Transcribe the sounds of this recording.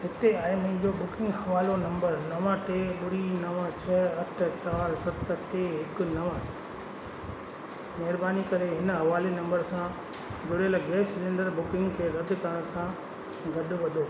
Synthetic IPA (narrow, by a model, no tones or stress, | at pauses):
ɦɪt̪eaemɐ̃ɦɪ̃ɲd͡ʑobʊkɪ̃ŋɡɦɐʋaːlonɐ̃mbəɾnɐʋãʈ̪eːɓʊɽinɐʋãt͡ɕʰɐɐʈʰt͡ɕaːɾsɐt̪ʈeɦɪknɐʋã | mɐɦɾbaːnikɐɾeɦɪnəɦɐʋaːlenɐ̃mbəɾsã | d͡ʑʊɽelɡeːsɪlẽːɳɖəɾbʊkɪ̃ŋɡkʰeːɾɐd̪ʱkɐɾəɽ̃sã | ɡɐɗʊ̆ʋɐd̪ʱoː